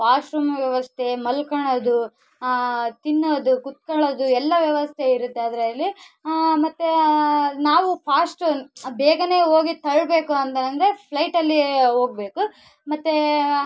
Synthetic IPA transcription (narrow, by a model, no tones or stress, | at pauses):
paːʂɾumʋjɐʋɐst̪ʰe̞mɐlkɐɳod̪u | t̪inːoːd̪ukut̪̚kɐɭoːd̪uɛlːɐʋjɐʋɐst̪ʰe̞iɾut̪ːeɐːd̪ɾɐɐlːi | mɐt̪ːenaːʋupʰaːsʈbɛːɡɐne̞ːo̞ːɡit̪ɐɭbe̞ːkuɐnd̪ɐnɐnd̪ɐɾe̞pʰlɐjʈɐlːiɦo̞ːɡ̚be̞ːku | mɐt̪ːe